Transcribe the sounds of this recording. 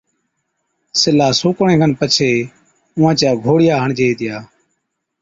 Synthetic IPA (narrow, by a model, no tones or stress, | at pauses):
sɪlaːsuːkɳẽːɡənpət͡ʃʰeː | ʊʋãːt͡ʃaːɡʱoːɽɪjaːɦəɳd͡ʒeːiːt̪ɪjaː